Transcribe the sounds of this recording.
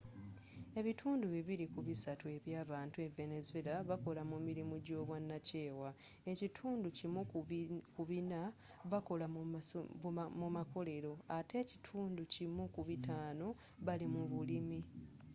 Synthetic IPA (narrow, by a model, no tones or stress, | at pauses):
e̞βitʰuːnduβiβiɾikuβisatue̞βjaːβaːntue̞ve̞nezwelaβako̞lamumiɾimuɟo̞ːβwanːace̞ːwae̞citʰuːnducimukuβina | βako̞la | mumako̞le̞ɾo̞ate̞ːci̥tʰuːnducimukuβitaːno̞ | βalimuβulimi